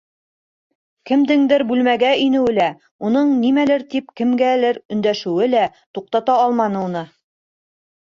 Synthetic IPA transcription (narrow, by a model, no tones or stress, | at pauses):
kɘ̆md̪ɘŋd̪ɘɾbʉlmæɡæinɘ̆wɘlæ | unɤɴnimælɘɾt̪ipkɘ̆mɡælɘɾɵ̆nd̪æʃɘ̆wɘlæt̪uq̚t̪ɑt̪ɑɑlˠmɑnɤ̆unɤ